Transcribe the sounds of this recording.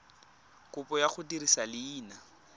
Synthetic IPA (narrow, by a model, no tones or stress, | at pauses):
kʊpɔjaχʊtirisalɪːna